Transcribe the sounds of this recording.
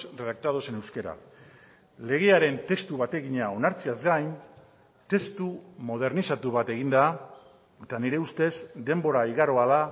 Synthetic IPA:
reðak̚t̪að̞o̞se̞ne̞wske̞ɾa̰ | le̞ɣ̞e̞aɾe̞nt̪e̞kst̪uβat̪e̞ɣiɲao̞naɾt͡siazɡajn | t̪e̞st̪umo̞ð̞e̞ɾnisat̪uβat̪e̞ɣind̪a | et̪aniɾe̞ust̪e̞zd̪e̞mbo̞ɾaiɣaɾo̞ala

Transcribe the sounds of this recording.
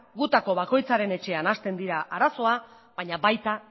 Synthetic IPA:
ɡut̪ako̞βako̞jt͡saɾe̞ne̞t͡ʃe̞anast̪e̞nd̪iɾaʔaɾaso̞a | βaɲaβajt̪a

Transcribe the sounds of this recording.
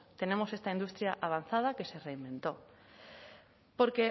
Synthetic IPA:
t̪enemosest̪aind̪ust̪ɾjaʔaβ̞anθað̞akesereimbẽnt̪o | poɾke

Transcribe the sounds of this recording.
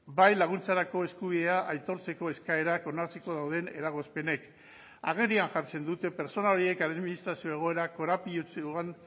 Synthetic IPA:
bajlaɣ̞unt͡saɾako̞e̞skuβ̞iðe̞aʔajt̪o̞ɾt͡se̞ko̞e̞skae̞ɾako̞nat͡siko̞ð̞awðe̞ne̞ɾaɣ̞o̞spe̞ne̞k | aɣ̞e̞rɾianʝaɾt͡se̞nd̪ut̪e̞pe̞ɾt͡so̞nao̞ɾie̞kaðminist̪ɾasio̞e̞ɣ̞o̞e̞ɾako̞ɾapiot͡san

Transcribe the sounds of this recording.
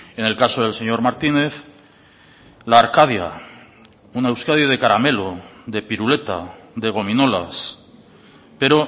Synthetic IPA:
e̞ne̞lkaso̞ð̞e̞lse̞ɲo̞ɾmaɾt̪ine̞θ | laːɾkað̞ja̰ | unewskaðjoð̞e̞kaɾame̞loðe̞piɾule̞t̪a̰ðe̞ɣ̞o̞mino̞las | pe̞ɾo̞

